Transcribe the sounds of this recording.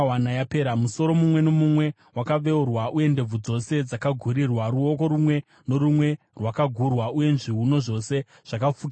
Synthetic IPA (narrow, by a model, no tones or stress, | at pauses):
wanajapeːɾamuso̞ɾo̞mumwe̞no̞mumwe̞ | wakaʋe̞urwaʔuje̞nde̞b͡vud͡zo̞se̞d͡zakaɡʱuɾirwaɾuo̞ko̞ɾumwe̞ | no̞ɾumwe̞ | rwakaɡʱurwauje̞nʐiɦuno̞ʐo̞se̞ | ʐ̥akafuk